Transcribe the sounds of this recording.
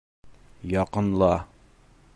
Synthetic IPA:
jɒqɤ̆nlˠɑ

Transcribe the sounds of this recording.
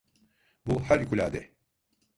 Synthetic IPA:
buhæɾkylʲaːd̪ɛ

